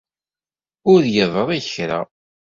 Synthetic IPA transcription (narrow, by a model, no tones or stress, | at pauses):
ʊɾjəðˤəðˤiççɾa̰